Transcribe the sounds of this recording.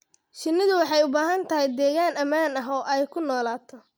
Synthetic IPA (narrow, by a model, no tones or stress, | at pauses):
ʃɪnɪðʊwɑħɑjʊbaːɦɐnt̪ʰɐɦɛjd̪ɛːɣaːnɐmaːnɐɦɔːʔɛjkʰʊnɔːlaːt̪ʰɔ